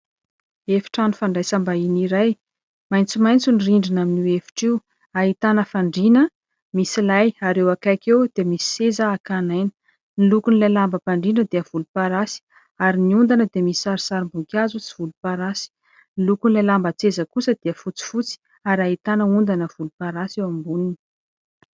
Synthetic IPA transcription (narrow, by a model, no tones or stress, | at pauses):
efi̥ʈ͡ʂanufaɳɖ͡ʐajsambainiɾaj | majnt͡simajnt͡suniriɳɖ͡ʐinaminiwefi̥ʈ͡ʂiw | aɦit̪anəfaɳɖ͡ʐinə | misilajaɾewakakewd̪̥emisi̥sezaːkanajnə̥ | nilukunilajlambəpaɳɖ͡ʐinəd̪eəv̥ulupaɾasi̥ | aɾiniund̪anəd̪emisi̥saɾisaɾimbukʲazut͡si̥v̥ulupaɾasi̥ | nilukunilajlambət͡sezəkusəd̪̥eəfut͡si̥fut͡si̥ | aɾaɦit̪anəund̪anəv̥ulupaɾasewambunini̥